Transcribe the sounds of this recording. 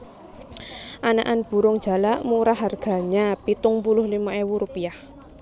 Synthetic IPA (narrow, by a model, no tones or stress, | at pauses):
ʔana̰ʔanb̥ṳɾʊŋ̥d͡ʒ̥a̤laʔmuɾaɦarɡ̥a̤ɲapit̪ʊŋpulʊhlimaewuɾupiah